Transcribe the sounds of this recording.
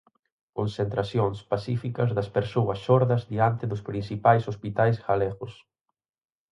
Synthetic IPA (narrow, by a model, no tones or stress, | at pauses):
konsent̪ɾasjoŋspasifikɐzðɐspeɾsoɐsːɔɾðɐzðiant̪eðʊspɾinsipajsospit̪ajsɣalɛɣʊs